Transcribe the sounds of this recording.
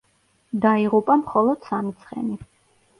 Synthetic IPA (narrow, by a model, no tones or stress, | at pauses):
d̪aiʁupʼamχɔlˠɔd̪̥samit̪sʰχɛ̰ni